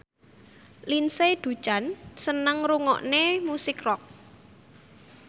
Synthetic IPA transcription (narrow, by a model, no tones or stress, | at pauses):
linsed̪̥ṳ̥t͡ʃansənəŋɾuŋɔ̰ʔnemusɪkrɔk̚